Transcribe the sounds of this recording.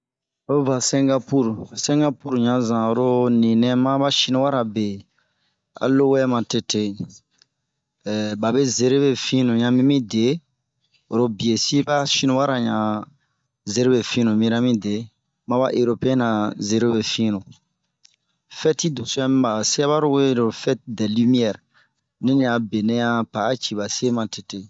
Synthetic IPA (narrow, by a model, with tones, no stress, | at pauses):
o˦va˨sɛ̃˦ŋɡa˦pu˦ɾsɛ̃˦ŋɡa˦pu˦ɾɲã˨˦zã˨o˨ɾo˦nĩ˨nɛ̃˦mã˦ba˦ʃi˦nũ˦wa˦ɾa˨be˨ | a̰˨lo˦wɛ˦mã˨te˨˦te˨ | ba˨be˦ze˨ɾe˦be˨fĩ˦nũ˨ɲã˨˦mĩ˦mĩ˦de˨˦ | o˨ɾo˦bi˨e˨si˦ba˦ʃi˦nũ˦wa˦ɾa˨ɲã˨ | ze˨ɾe˦be˨fĩ˦nũ˨mĩ˦ɾa˦mĩ˦de˨˦ | mã˦ba˦ʔe˨ɾo˨pe˦ɛ˦nã˨ze˨ɾe˦be˨fĩ˦nũ˨ | fɛ˦ti˦do˨su˦ɛ˦mĩ˦ba˨se˦a˦βa˦ɾo˦we˦ɾo˨fɛ˦tdɛ˨li˦mi˦ɛ˨ɾ | nĩ˦ɲ˦ã˨be˨nẽ˦jã˦pa˨˦t͡ʃi˨ba˨se˦mã˨te˨te˨